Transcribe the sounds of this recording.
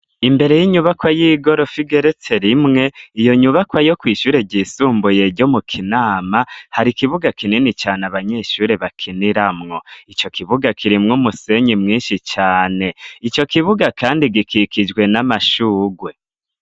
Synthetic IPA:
imbe̞ɾe̞jiɲuβakwajiːɡo̞ɾo̞fiɡe̞ɾet͡se̞ɾimŋe̞ijo̞ɲuβakwajo̞kwiːʃuːɾe̞ɟiːsuːmbuje̞ɟo̞mukʰinaːmahaɾikiβuɡakininit͡ʃaːneaβaɲe̞ːʃuːɾe̞βakʰiniɾamŋo̞it͡ʃo̞kʰiβuɡakʰiɾimŋumuse̞ɲimŋiːnʃit͡ʃaːne̞it͡ʃo̞kiβuɡakʰaːndiɡikʰikid͡ʒɡwe̞namaʃuːɡwe̞

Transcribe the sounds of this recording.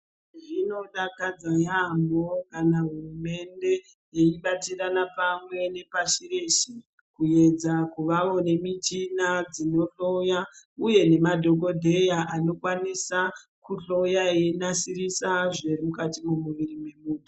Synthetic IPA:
ʐino̞ɗakad͡zajamo̞kanaɦurume̞nde̞ | jeiɓat͡siranapamwe̞ne̞paʃireʃi | kuje̞d͡zakuʋaʋo̞ne̞mitinad͡zino̞ɬo̞jauje̞ne̞madʱo̞k̬o̞dʱe̞jaʔano̞kwanisa | kuɬo̞jaenasirisaʐerimukatimumuʋirimwe̞muːnu

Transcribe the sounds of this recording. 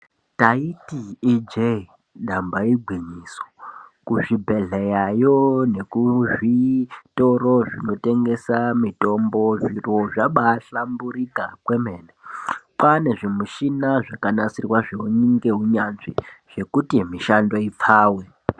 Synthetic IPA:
taitiːd͡ʒei | ɗambaiɡʱwiɲisokuʐibʱe̞ɮejajone̞kuʐito̞ɾo̞ʐino̞te̞ŋɡe̞samito̞mbo̞ʐiro̞ʐaɓaɬambuɾikakwe̞meːnepane̞ʐemuʃinaʐakanasirwaʐeɦuɲiŋɡe̞ɦuɲanʐiʐ̥e̞kutimiʃando̞ip͡faːwe

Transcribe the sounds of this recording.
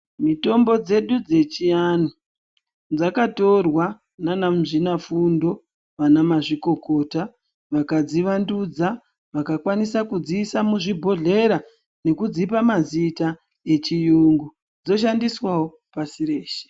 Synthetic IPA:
mito̞mbo̞d͡ze̞ɗud͡ze̞t͡ʃijanu | d͡zakato̞rwa | nanam̩ʐinafundo̞ | ʋanamaʐiko̞ko̞ta | ʋakad͡ziʋandud͡za | ʋakakwanisakud͡ziːsamuʐibʱo̞ɮe̞ɾa | ne̞kud͡zipamazita | e̞t͡ʃijuŋɡu | d͡zo̞ʃandiswawo̞ | pasire̞ːʃe̥

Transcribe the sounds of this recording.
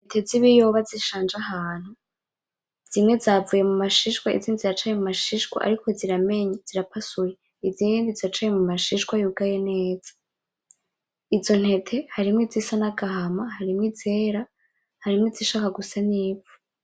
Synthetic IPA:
netʰeziβijo̞βaziʃaːnd͡ʒahaːn̥hu | z̥imŋe̞zavuje̞mumaʃiʃwaḭziːndizat͡ʃajemumaʃiʃkwa̰ʔa̰ɾikʰo̞ziɾame̞ɲaz̥iɾapʰasuje | izindizat͡ʃajemumaʃiʃkwajuɡajene̞ːz̥ḁ | izo̞n̥he̞tʰe̞haɾimwizisanaɡaɦamahaɾimŋizeːɾa | haɾimwiziʃaːkaɡusaniːvu̥

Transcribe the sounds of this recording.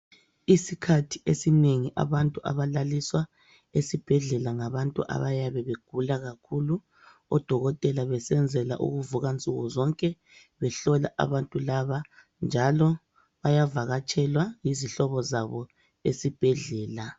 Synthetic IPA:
isikʰatʰi̥esineŋiʔa̰βantʼuʔa̰βalaliswa | esib̥ʱɛɮɛlaŋaβantʼuʔa̰βajaβɛβeɡ̥ʱulaɣakʰulu | ɔ̰d̥ʱɔɣɔtʼɛlaβɛsɛnd͡zʱɛla̰ʔṵɣuvuɣant͡sʼuɣɔzɔŋkʼɛ | βɛɬɔla̰ʔa̰βantʼulaβa | nd͡ʒʱalɔ | βajavaɣat͡ʃʰʼɛlwaŋiziɬɔβɔzaβɔ | esib̥ʱɛɮɛːla

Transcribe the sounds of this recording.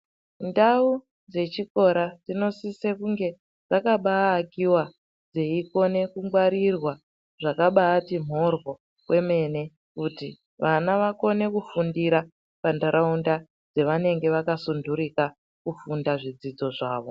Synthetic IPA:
ndau | d͡ze̞t͡ʃiko̞ɾad͡zino̞sisekuŋɡe̞ | d͡zakaɓaːkiwa | d͡zeiko̞ne̞kuŋɡwaɾirwa | ʐakaɓaːtim̤o̞rwo̞ | kwʔe̞me̞ne̞ | kuti | ʋanaʋako̞ne̞kufundiɾa | pandaɾaunda | d͡ze̞ʋane̞ŋɡe̞ʋakasunduɾika | kufundaʐid͡zid͡zo̞ʐaːʋo̞

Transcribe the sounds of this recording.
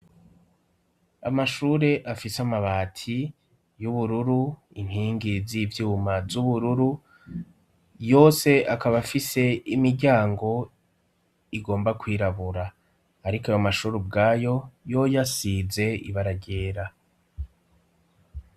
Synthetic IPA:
a̰maʃuɾe̞ʔafisamaβaːtʰi | juβuɾuɾu | in̥hiːŋɡizivjuumazuβuɾuɾu | jo̞ːse̞ʔakaβafise̞imiɾɟaːŋɡo̞ | iɡo̞ːmbakwiːɾaβuɾaː | ɾikajamaʃuːɾub̚ɡaːjo̞jo̞jasize̞ḭβaɾaɟeːɾa

